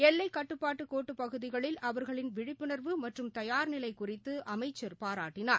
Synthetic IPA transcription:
ɛlːɐɪkːɐʈːɯpːaːʈːɯkoːʈːɯpɐɣɯðɪɣɐɭɪlʔɐʋɐɾɣɐɭɪnʋɪɻɪpːɪnɐɾʋɯmɐʈrɯmt̪ɐjaːɾnɪlɐɪkʊrɪt̪ːɯɐmɐɪt͡ʃːɐɾpaːɾaːʈːɪnaːɾ

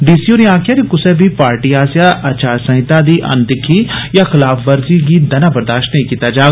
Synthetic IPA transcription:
ɖiːsioːɾĩãːkʰjakikʊsɛbʱipaːɾʈiaːsijaʔɐt͡ʃaːɾsɐ̃ɦɪt̪ad̪iːʔɐ̰̃nd̪ɪkʰijaxɪlaːfʋɐɾziɡiːd̪ɐnaːbɐɾd̪aːʃʈnɐɦĩkiːt̪ad͡ʒaː

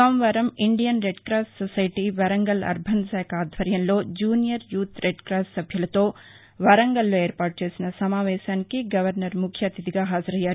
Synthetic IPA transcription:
amʋɐɾɐmiɳɖijɐnɾeɖkɾaːsʈsɐsɐjʈiʋɐɾɐŋɡɐlɐ̰ɾbʱɐnsɛːkʰaːd̪ʱʋɐɾjɐnlo̞ːd͡ʒuːnijɐɾjuːt̪ɾeɖkɾaːsʈsɐbʱjɐlɐt̪o̞ː | ʋɐɾɐŋɡɐlːoːeːɾpaːʈ̚t͡ʃe̞ːsinɐsɐmaːʋɛːʃaːnikiɡɐʋɐɾnɐɾmukʰjɐt̪it̪iɡaːɦaːd͡ʒɐɾɐjːaːɾu

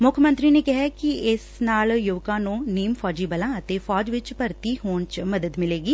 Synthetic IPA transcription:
mʊkʰmə̃nt̪ɾiːneːkɪɦɛːkɪɪsnaːljoːkãːnũːniːmfʰɔːd͡ʒiːbəlãːət̪eːfʰɔːd͡ʒʋɪt͡ʃpəɾt̪iːhoːɳt͡ʃməd̪əd̪mɪleːɡiː

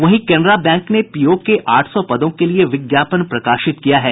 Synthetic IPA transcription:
ʋɐɦĩkɛːnɾabɛ̃ːŋknepiːokeʔʔaːʈʰsɔpɐd̪õkelieʋɪɡjaːpənpɾɐkaːʃɪt̪kijaɦɛː

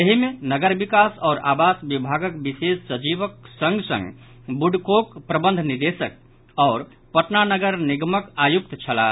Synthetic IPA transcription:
jəɦimenəɡəɾbikasɔːɾa̰basbibʱaɡəkbisessəd͡ʒiʋək̚sə̃ŋɡsə̰̃ŋɡ | buɖkokpɾəbə̃nd̪ʱniɾd̪esə̰k̚ | ɔːɾ | pəʈnanəɡəɾniɡməkajuk̚t̪t͡ʃʰəla̰

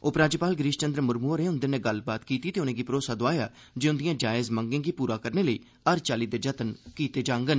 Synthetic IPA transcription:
oːpɾãːd͡ʒepaːlɡɾiːʃt͡ʃənd̪ɾəmʊɾmuːɾẽːʊnd̪eːneːɡəlbaːt̪kiːt̪iːt̪eːʊnẽːɡiːpɾoːsaːd̪oaːjaː | d͡ʒeːʊnd̪ijãːd͡ʒaːɪzməŋɡẽːɡiːpuːɾaːkəɾneːləiː | əɾt͡ʃaːliːd̪eːd͡ʒət̪ənkiːt̪eːd͡ʒãːŋɡən

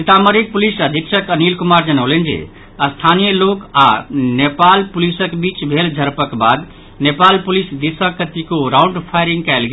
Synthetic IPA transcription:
sit̪aməɾik̚pulisəd̪ʱiksəkənilkumaɾd͡ʒənəʊlend͡ʒḛ | ast̪ʰanijəlokanepalpulisəkbit͡ʃbʱeld͡ʒʱəɾpəkbad̪ | nepalpulisd̪isəkːət̪ikoɾaʊɳɖpʰajɾiŋɡkaɪlɡe

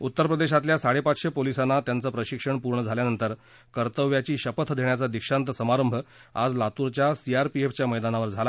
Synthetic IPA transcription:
ut̪ːəɾpɾəd̪eɕ̬at̪ljasaɽepat͡sɕepolisanːat̪jant͡səːpɾəɕikʂəɳpuɾɳəd͡zʱaljanənt̪əɾ | kəɾt̪əʋjat͡ɕiːɕəpət̪ʰd̪ʱeɳjat͡sad̪ikʂant̪əsəmaɾəmbʱəa̰d͡zlat̪uɾt͡ɕjasiaɾpieft͡ɕjaməjd̪anaʋəɾd͡zʱala

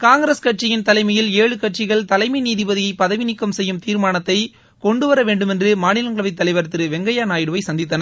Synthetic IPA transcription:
kaːŋɡɾɐskɐʈ̚t͡ʃɪjɪnt̪ɐlɐɪmɐjɪleːɻɯkɐʈ̚t͡ʃɪɣɐɭt̪ɐlɐɪmɪniːðɪbɐðɪjɐɪpːɐðɐʋɪnɪkːɐmsɛjːɯmt̪iːɾmaːnɐt̪ːɐɪ | kɔɳɖɯʋɐɾɐʋeːɳɖɯmɛndrɯmaːnɪlɐŋɡɐɭɐʋɐɪt̪ːɐlɐɪʋɐɾt̪ːɯɾɯʋɛŋɡɐjaːnaːjɪɽɯʋɐɪsɐnd̪ɪt̪ːɐnɐ

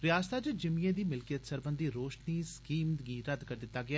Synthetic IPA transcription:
ɾɪjaːst̪aːd͡ʒɪd͡ʒɪmiẽːd̪iːmɪlkɪjət̪səɾbənd̪iːɾoːʃniːskiːmd̪ɡĩːɾəd̪kəɾd̪ɪt̪ːaːɡɪaː

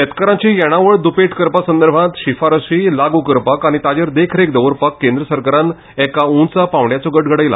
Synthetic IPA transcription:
ət̪kəɾãt͡ɕĩjɛɽ̃aʋəɭd̪upeʈkəɾpasənd̪əɾbʱãt̪ɕifaɾəsilaɡukəɾpakaɽ̃it̪ad͡ʑəɾd̪ekʰɾekd̪əʋəɾpakːẽnd̪ɾəsəɾkaɾan | ɛkaũnt͡sapãʋɳjat͡sɔɡəʈɡʱəɽəjla̰

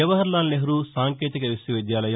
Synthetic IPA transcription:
ɐʋɐɦɐɾlaːnleɦɐɾusaːŋkeːt̪ikɐʋisjɐʋid̪jaːlɐjɐ

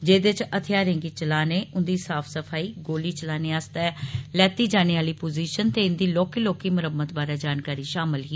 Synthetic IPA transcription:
d͡ʒeːd̪eɪt͡ʃət̪ʰɪjaːɾẽːŋɡiːt͡ʃəlaːneːʔʊnd̪iːsaːpʰsəpʰaːiːɡoːliːt͡ʃəlaːneːaːst̪ɛːlɛːt̪iːd͡ʒaːñeːaːliːpoːziːʃənt̪eːʊnd̪iːloːkiːloːkiːməɾəmːət̪baːɾaːd͡ʒaːnkaːɾiːʃaːmɪlɦiː

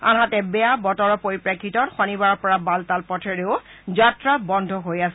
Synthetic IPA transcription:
a̰ɦatɛbɛjabɔtɔɹɔpoɹipɹakʰːitɔtxɔnibaɹɔɹpɔɹabaltalpɔtʰɛɹeʊ | zatɹabɔndʱɔɦojasɛ

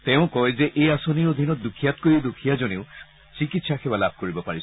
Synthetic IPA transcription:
tɛ̃ʊ̃kɔjzɛʔejasoniɹod̪ʱinɔt̚dukʰijat̚kojidukʰijazoneʊ | sikitsaxɛbalab̚ʱkoɹibɔpaɹis

